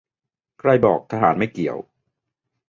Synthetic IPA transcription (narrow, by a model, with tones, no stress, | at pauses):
kʰɾa˧jbɔː˨˩k̚t̪ʰa˧ɦaː˩˦nma˥˩jki˨˩əw